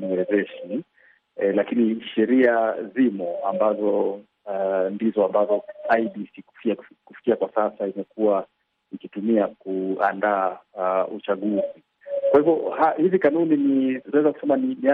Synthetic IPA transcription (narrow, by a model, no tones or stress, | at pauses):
niwɛzɛʃi | lakiniʃɛɾiazimɔa̰mbazɔ | ndizɔambazɔaiɗisikufiakufi̥kiakwasasaimɛkua | ikitumiakua̰ndaːut͡ʃaɠuzi | kwahivjɔhahizikanuniniɛzaku̥sɛmaninia